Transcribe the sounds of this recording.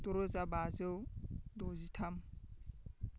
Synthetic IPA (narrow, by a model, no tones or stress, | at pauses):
doɾozabazewdozitʰam